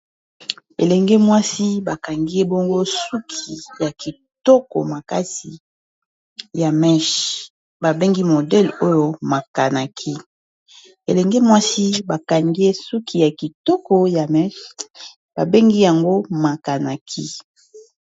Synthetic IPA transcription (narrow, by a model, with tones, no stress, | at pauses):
ḛ˨lɛ˨ŋɡe˦mwa˦si˦ba˨ka˨ŋɡi˦e˦bo˦ŋɡo˦su˦kʰi˨ja˨ki˨ | tɔ˦kɔ̰˨ma˨ka̰˦si˨ | ja˨mɛ˦ʃ | ba˨be˦ŋɡi˦mo˨dɛ˦lo˦jo˨ma˨ka˨na˨kʰi˦ | e˨lɛ˨ŋɡe˦mwa˦si˦ba˨ka˨ŋɡi˦e˦su˦kʰi˨ja˨ki˨tɔ˦kɔ˨ja˨mɛ˦ʃ | b̥a˨be˦ŋɡi˦ja˨ŋɡo˦ma˨ka˨na˨kʰi˦